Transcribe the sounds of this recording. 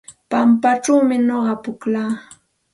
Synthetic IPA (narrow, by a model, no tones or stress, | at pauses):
pampaʈ͡ʂawmɪnoɢɑpʊklaː